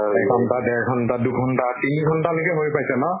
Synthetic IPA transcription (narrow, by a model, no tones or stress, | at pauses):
ɛɡɡʱɔntadɛɹɡʱɔntaduɡʱɔntatiniɡʱɔntalokɛɦojpajsɛnɔ